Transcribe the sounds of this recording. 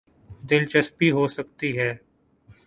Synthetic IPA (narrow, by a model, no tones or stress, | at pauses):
d̪ɪlt͡ʃəspiɦoːsəkt̪iɦɛː